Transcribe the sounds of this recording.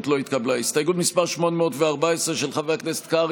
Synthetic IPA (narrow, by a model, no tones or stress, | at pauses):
t̪lo̞it̪kablaistajɡubmispaʁʃmo̞nmeotveaʁbaesʁeʃelχaveaknese̥t̪ka